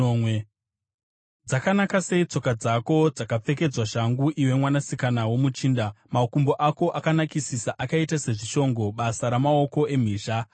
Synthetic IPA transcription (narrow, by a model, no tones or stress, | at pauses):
w | d͡zakanakase̞it͡so̞kad͡zako̞d͡zakap͡fe̞k̬e̞d͡zwaʃaŋɡuʔiwe̞mwanasikanawo̞mut͡ʃiːndamakumbo̞ʔako̞ʔakanakisisaʔakaitase̞ʐiʃo̞ŋɡo̞ɓasaɾamao̞ko̞e̞m̤iːʃa